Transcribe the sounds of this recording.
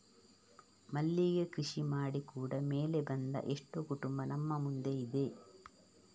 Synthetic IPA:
mɐlːijɐkɾiʂimaːɽikuːɽɐmeːlebɐnd̪ɐ̰ʔeʂʈːokuʈumbɐnɐmːɐmund̪eid̪e̞

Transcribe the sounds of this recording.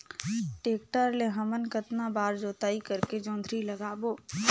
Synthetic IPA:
ʈeːk̚ʈəɾleɦɐmənkət̪nabaːɾd͡ʒoːt̪aːikɐɾked͡ʒõːnd̪ʱɾilɐɡaːboː

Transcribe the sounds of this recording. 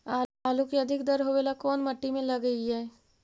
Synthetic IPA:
aːaːlukiɐd̪ʱɪkd̪ɐɾɦoʋelakɔːnmɐʈːimẽlɐɡəiɦɛː

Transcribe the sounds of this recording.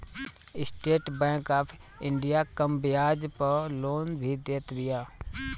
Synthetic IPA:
ɪsʈeːʈbɛ̃ːkaːpʰ | ɪ̃ɳɖijakəmbjaːd͡ʒpəloːnbʱid̪eːt̪ʋɪjaː

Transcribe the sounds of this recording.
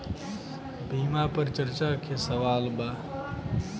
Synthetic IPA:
bʱimapəɾt͡ʃəɾt͡ʃakʰesəʋaːlba

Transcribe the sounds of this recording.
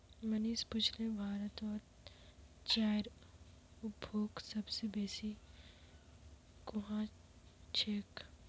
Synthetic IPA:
məniːspʊt͡ʃʰlebʱaːɾət̪ɔːɾ | t͡ʃaːjɾ | ʊbʱoːksɐbsebeːsi | kʊɦã | t͡ʃʰeːk

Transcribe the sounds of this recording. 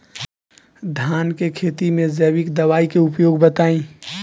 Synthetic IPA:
d̪ʱaːnkekʰeːt̪imẽzɛːwɪkd̪ɐʋaːikeʊpjoːɡbɐt̪aːĩː

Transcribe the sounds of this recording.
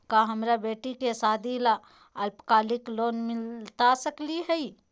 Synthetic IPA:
kaɦɐmɾabeːʈikesaːd̪ʱila | ɐlpkaːlɪkloːnmɪlt̪asəkliɦɛi

